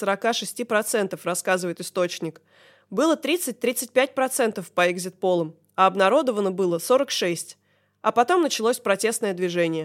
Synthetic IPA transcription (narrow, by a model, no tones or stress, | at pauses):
səɾɐkaʂɨsʲtʲipɾɐt̪sɛnt̪əfrɐskazɨvəjɪt̪ɨst̪o̞t͡ɕnʲɪk | bɨlˠət̪ɾʲit̪sɨt̚ʲt̪ɾʲit̪sɨt̚ʲpʲæt̚ʲpɾɐt̪sɛnt̪əfpəɛɡzʲɪt̪̚po̞lˠəm | ɐɐbnɐɾo̞d̪əvənəbɨlˠəso̞ɾəkʂɛsʲtʲ | ɐpɐt̪o̞mnət͡ɕɪlˠosʲpɾɐtʲe̞st̪nəjəd̪vʲɪʐɛnʲɪjə